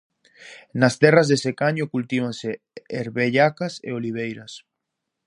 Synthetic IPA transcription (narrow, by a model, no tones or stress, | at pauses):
nast̪erazðesekaɲokult̪iβanse | eɾβeʎakasḛoliβ̞ejɾas